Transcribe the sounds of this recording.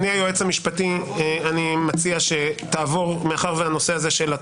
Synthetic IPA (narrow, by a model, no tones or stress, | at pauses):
niajoet͡samiʃpatieanimat͡siaʃe̞t̪aːvo̞ʁmeaχaʁveano̞se̞azeʃe̞la